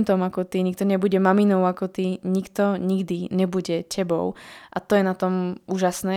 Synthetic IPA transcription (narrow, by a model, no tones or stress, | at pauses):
nt̪ɔmakɔt̪iɲik̚t̪ɔɲɛbuɟɛmaminɔʊakɔt̪iɲikt̪ɔɲiɡd̪iɲɛbuɟɛcʰɛbɔ̰ʊʔat̪ɔjɛnat̪ɔmuːʒasnɛː